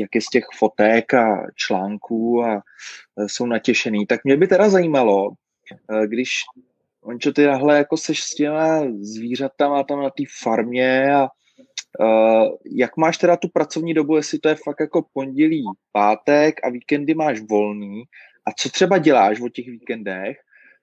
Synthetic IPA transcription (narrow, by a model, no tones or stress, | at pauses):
jakjɛscɛxfo̞t̪ɛkat͡ʃlaːŋkʰuːa | so̞wnacɛʃɛniːt̪akmɲɛbɪt̪ɛɾazajiːmalo̞ | ɡdɪʃ | ʔoɲt͡ʃot̪ɪnaɦlɛjako̞sɛʃscɛmazviːr̝at̪amat̪amnat̪iːfaɾmɲɛa | jakmaːʃt̪ɛɾat̪upɾat͡so̞vɲiːdo̞bujɛslɪt̪ojɛfak̚t̪jako̞po̞ɲɟɛliːpaːt̪ɛka̰viːkɛndɪmaːʃvo̞lniː | ʔat͡so̞t̪r̝̥ɛbaɟɛlaːʃvo̞cɛxviːkɛndɛx